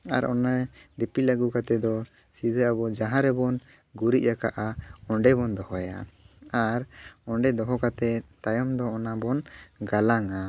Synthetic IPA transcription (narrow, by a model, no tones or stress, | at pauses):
a̰ɾɔ̰nad̪ɛpilaɡukat̪ɛd̪ɔ | sid̪ʱəabɔd͡ʒaɦãɾɛbɔn | ɡuɾit̪̚jaka̰ʔaɔɳɖɛbɔnd̪ɔhɔja̰ | aɾɔɳɖɛd̪ɔɦɔkat̪ɛt̪ajɔmd̪ɔːnabɔnɡalaŋa